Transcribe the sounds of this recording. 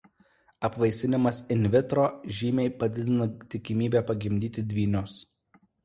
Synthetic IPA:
ɐpʋɐɪsʲɪnʲɪmɐsɪnʲʋʲɪt̪ɾoːʒʲiːmʲɛɪpɐd̪ʲɪd̪ʲɪnɐt̪ʲɪkʲɪmʲiːbʲæːpɐɡʲɪmʲd̪ʲiːt̪ʲɪd̪ʲʋʲiːnʲʊs

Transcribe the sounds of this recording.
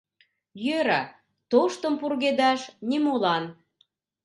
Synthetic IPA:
jøɾɑ | t̪oʃt̪ə̆mpurɣed̪ɑʃnimolɑn

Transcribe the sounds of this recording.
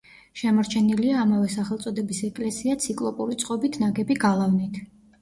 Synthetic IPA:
ʃɛmɔɾt͡ʃʰɛniliaːmavɛsaχɛlˠt̪sʼɔd̪ɛbisɛkʼlɛsiat̪sʰikʼlˠɔpʼuɾit̪sʼqʼɔbit̪ʰnaɡɛbiɡalˠavnit̪ʰ

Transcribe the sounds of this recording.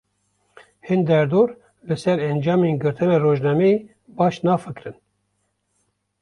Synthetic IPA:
hind̪ɛɾd̪oːɾ | lɨsɛɾɛnd͡ʒɑːmeːnɡɨɾt̪ʰɨnɑːroːʒnɑːme | bɑːʃnɑːfɨkɾɨn

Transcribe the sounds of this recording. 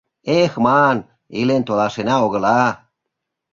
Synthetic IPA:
exmɑn | ilent̪olɑʃenɑoɣə̆lɑ

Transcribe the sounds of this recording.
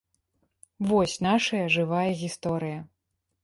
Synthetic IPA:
vɔsʲnaʂɐjɐʐɨvajɐɣʲist̪ɔɾɨjɐ

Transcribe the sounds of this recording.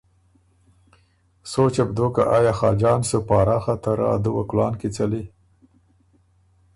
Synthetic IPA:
sot͡ʃabd̪oka̰ʔajɑxɑd͡ʒɑːnsupɑːɾaxat̪aɾɑ̰d̪uwaklɑːnkit͡sali

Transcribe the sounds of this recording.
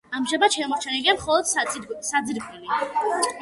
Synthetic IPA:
amʒabat̪ʃɛmɔɾt͡ʃʰɛniliamχɔlˠɔd̪̥sad̪ziɾɡɛli

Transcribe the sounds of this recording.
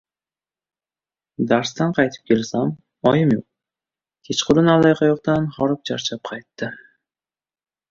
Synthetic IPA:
d̪aɾst̪anqʰɑjt̪ʰɪ̥p̚kʲe̞lsam | ɒjɪmjoq̚ | t̪ʲʰet͡ʃqʰʊɾɪnalˠajqʰɑjɒqt̪anχɒɾɪp̚t͡ʃʰaɾt͡ʃʰap̚qʰɑjt̪ːɪ

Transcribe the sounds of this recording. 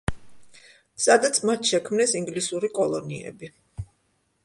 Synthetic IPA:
sad̪at̪sʰmat̪ʰʃɛkʰmnɛsiŋɡlisuɾikʼɔlˠɔniɛ̰bi

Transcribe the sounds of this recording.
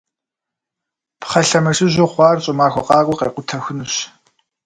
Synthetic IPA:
pχɐɬɐmɐʒɪʑoχʷɑːrɕʼɪmaːxʷɔqɑːkʷʼʊqeːqʷʊtʰɐxʷʊnuɕ

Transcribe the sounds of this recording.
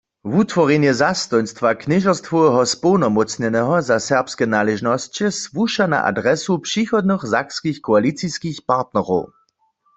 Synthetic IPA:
vut̪vɔʁjɛnjɛzast̪ɔjnst̪vaknɪʒɔst̪fɔwɛɦɔspɔwnɔmɔt͡sɲɛnɛɦɔzasɛʁpskɛnalɛʒnɔst͡ɕɛsvuʃana̰ʔa̰dʁɛsupʂixɔd̪̚nɨxzakskixkɔalit͡siskixpaʁt̪nɛʁɔw

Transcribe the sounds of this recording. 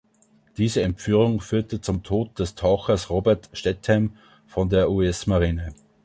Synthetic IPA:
d̥iːzəɛmpfyːʁʊŋfyːɐtət͡sʊmtʰoːt̚d̥ɛstʰaʊxɐsʁoːbɛɐtʃtɛthɛm | fɔndeːɐʔuɛsmaʁiːnə

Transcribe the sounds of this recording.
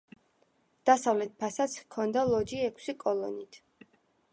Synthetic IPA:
d̪̥asavlɛt̪̚pʰasat̪sʰkʰɔnd̪alˠɔd͡ʒiɛkʰsikʼɔlˠɔnit̪ʰ

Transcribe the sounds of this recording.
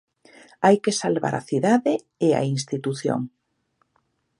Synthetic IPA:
ajkesalβa̰ɾa̰θiðaðe | ea̰inst̪it̪uθjo̰ŋ

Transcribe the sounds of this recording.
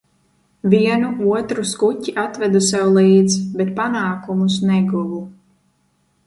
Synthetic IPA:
viɛnuuɔt̪ɾuskutʲiʔat̪vɛd̪usɛwlˠiːd̪zbɛt̪̚panaːkumus̬nɛɡuvu

